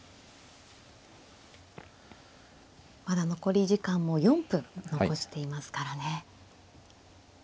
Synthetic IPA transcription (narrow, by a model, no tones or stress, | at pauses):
mad̪ano̞ko̞ɾʲiʑikãmːo̞jõ̞mpɯ̟̃no̞ko̞ɕi̥t̪e̞imasɨ̥kaɾane̞